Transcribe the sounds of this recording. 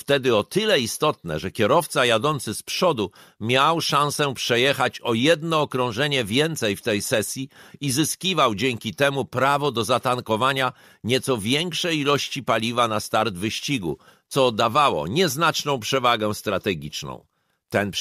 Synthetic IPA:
ft̪ɛd̪ɘɔt̪ɘlɛist̪ɔt̪nɛ̰ʐɛkʲɛɾɔft̪sajad̪ɔnt̪sɘspʂɔd̪umʲjawʂãsɛpʂɛjɛxat͡ɕɔjɛd̪nɔːkɾɔ̃w̃ʐɛɲɛvʲjɛnt̪sɛjft̪ɛjsɛsʲjiizɘskʲivawd͡ʑɛŋkʲit̪ɛmupɾavɔd̪ɔzat̪ankɔvaɲa | ɲɛt̪sɔvʲjɛŋkʂɛjilɔɕt͡ɕipalʲivanast̪aɾd̪vɘɕt͡ɕiɡṵ | t̪sɔd̪avawɔ̰ɲɛznat͡ʂnɔ̃w̃pʂɛvaɡɛ̃st̪ɾat̪ɛɡʲit͡ʂnɔ̰̃w̃ | t̪ɛn

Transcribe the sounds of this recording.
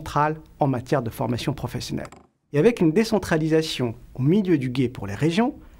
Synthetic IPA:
t̪χalɑ̃mat̪ʲjɛʁd̪əfɔʁmasjɔ̃pχɔfɛsjɔnɛ̰l | eavɛkynd̪esɑ̃t̪χalizasjɔ̃omiljød̪yɡʲepuʁleʁeʒjɔ̃

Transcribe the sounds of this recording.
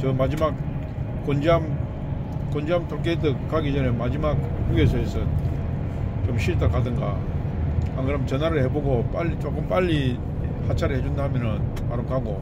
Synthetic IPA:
t͡ɕʌmad͡ʑimak̚ | k͈ond͡ʑeam | k͈ond͡ʑeɦamtʰoɭk͈edɯkk͈aɡid͡ʑʌne̞mad͡ʑimak̚kuɡesʰʌesʰɯn | t͡ɕomɕʰiɭt͈ʌɭk͈adɯŋɡa̰ | haŋɡɯɾɯmt͡ɕʌnaɾɯɭheboɡop͈aʎːit͡ɕok͈ɯmp͈aʎːi | hat͡ɕʰaɾɯɭhe̞d͡ʑundaɦamjʌnɯn | ma̰ɾɯmkaɡo

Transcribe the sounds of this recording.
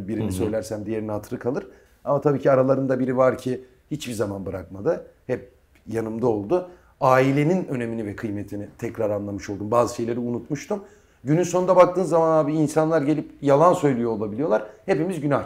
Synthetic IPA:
biɾinisø̞jlʲæɾsæmd̪ije̞ɾinihat̪ʰɯɾɯkʰalˠɯɾ̥ | amat̪ʰabiːcʰiaɾalˠaɾɯnd̪abiɾivaɾcʰi | hit͡ʃbizamanbɯɾakmad̪ɯhɛp̚ | janɯmd̪ao̞lˠd̪ʊ | aːilʲe̞ninø̞ne̞minivɛkʰɯjmet̪ʰinit̪ʰɛcɾaɾanlˠamɯʃo̞lˠd̪umbaːzɯʃe̞jlʲe̞ɾiunut̪muʃt̪ʰum | ɟynynso̞nd̪abak̚t̪ɯːnzːamanaːbiinsanlˠaɾɟe̞lʲipjalˠansø̞jlʲijoːlˠabilʲijo̞lˠaɾ̥he̞pimizɟyna

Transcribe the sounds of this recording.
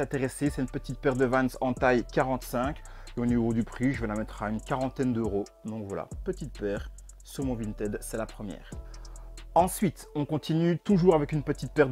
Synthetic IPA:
ɛ̃t̪eʁesesɛynpət̪it̪̚pɛʁd̪əvansɑ̃t̪ajkaʁɑ̃t̪sɛ̃k | eonivod̪ypχiʒəvəlamɛt̪χaynkaʁɑ̃t̪ɛnd̪øʁo | d̪ɔ̃kvwa̰la̰pət̪it̪̚pɛːʁ | syʁmɔ̃vint̪ɛd̪sɛlapχəmjɛ̰ːʁ | ɑ̃sɥit̪ɔ̃kɔ̃t̪ʰinyt̪uʒuʁavɛkynpət̪it̪̚pɛʁ

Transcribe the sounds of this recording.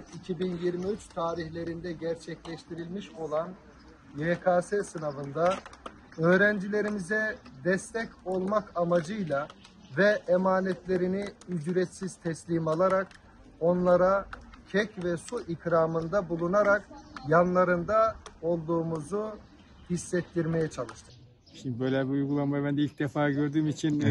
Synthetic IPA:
icʰibinjiɾmiyt͡ʃt̪ʰaːɾiçlʲe̞ɾind̪ɛɟɛɾt͡ʃʰɛclʲɛʃt̪ʰiɾilʲmiʃo̞lˠan | jeːkʰaːsɛsɯnavɯnd̪a | øːɾænd͡ʒilʲe̞ɾimizɛd̪ɛst̪ʰɛco̞lˠmakʰamad͡ʒɯjlˠa | vɛːmaːnɛt̪lʲe̞ɾiniyzyɾɛt̪siz̥t̪ʰɛslʲimalˠaɾak | o̞nlˠaɾacʰɛcvɛsuʔikɾaːmɯnd̪abulˠunaɾakjanlˠaɾɯnd̪ao̞lˠd̪uːmuzu | hisːɛt̪ːiɾme̞jɛt͡ʃʰalˠɯʃt̪ʰɯ̥ | ʃimd̪ibøjlʲɛbiujɡulˠanmajbænd̪ɛilʲc̚d̪ɛfaːɟøɾd̪yːmit͡ʃʰin

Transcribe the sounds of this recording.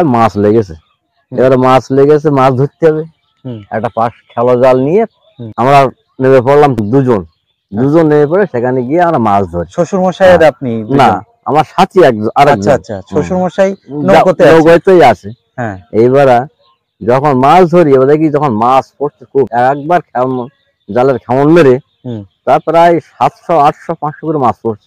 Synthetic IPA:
masleɡesʰe | ebaɾamasleɡes̬emasd̪ʱot̪ːeɦɔβe | ɛ̰kʈapaʃkʰɛlɔzalnijet̪̚ | amɾa | nemepɔɾlamd̪ud͡ʑon | d̪ud͡ʒonːemepɔɾeʃekʰaneɡijeamɾamasd̪ʱoɾiʃoʃuɾmoʃajɾap̚ninna | a̰maɾʃat̪ʰiɛk̚ʔaɾɛk̚dnʰaʃoʃuɾmoʃajnokot̪nokojt̪ejasʰe | ɦejβaɾa | d͡ʒɔkʰɔnmasd̪ʱoɾiebad̪ak̬id͡ʒɔkʰɔnmasfoɾt͡ʃʰeɾkʰubɛkɛk̚baɾkʰɛm | d͡ʒaleɾkʰɛmonmeɾe | t̪apɾajsat̪ʃɔaʈʰʃɔpãt͡ʃʃɔkuɾmaspoɾt͡ʃʰe

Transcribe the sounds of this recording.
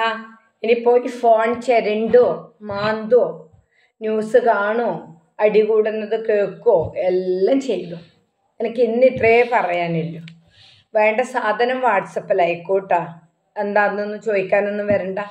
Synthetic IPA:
aː | inipːo̞ːjifo̞ːɳt͡ɕeɾiɳɖomaːnd̪oː | njuːsɨkaːɳo | ɐɽikuːɽunːɐðɨkeːkːoːelːɐmt͡ɕejːɐlːo | enɐkʲːinːit̪reːpɐrɐjaːnilːoː | ʋe̞ːɳɖɐsaːd̪ʱɐnɐmʋaːʈsɐpːɐlɐjkːoːʈːa | end̪aːrnːonːumt͡ɕo̞ːðikʲːaːnonːumʋɐɾuɳɖaː

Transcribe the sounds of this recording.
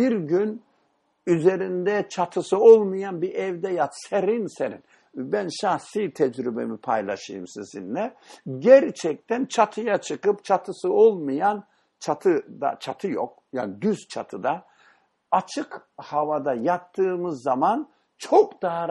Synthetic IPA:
biɾɟyn | yze̞ɾind̪ɛt͡ʃʰat̪ʰɯsɯolˠmajanbiɾʔɛvd̪ɛjat̪seɾinseɾin | bænʃahsiːt̪ʰɛd͡ʒɾybḛmipʰajlˠa̰ʃɯjɯmsizḭnlɛɟæɾt͡ʃʰɛc̚t̪ʰænt͡ʃʰat̪ʰɯjat͡ʃʰɯkɯpt͡ʃʰat̪ʰɯsɯo̞lˠmɯjan | t͡ʃʰat̪ʰɯd̪a̰t͡ʃʰat̪ʰɯjo̰k̚ | janɟyz̥t͡ʃʰat̪ʰɯd̪a | at͡ʃʰɯkhavad̪ajap̚t̪ʰːɯːmɯzːaman | t͡ʃʰokd̪aɦa

